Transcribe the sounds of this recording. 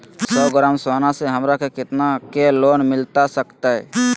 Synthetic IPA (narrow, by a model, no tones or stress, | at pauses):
sɔːɡɾaːmsoːnaseɦəmɾakekɪt̪nakeloːnmɪlt̪asəkt̪aɦɛ̰